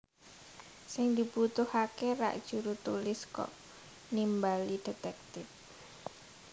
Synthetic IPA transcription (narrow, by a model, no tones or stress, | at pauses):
sɪŋd̪ibut̪ʊhakeɾa̰ʔd̥ʒ̥uɾut̪ulɪskɔ̰ʔ | nimbalid̥e̤t̪ɛk̚t̪ɪf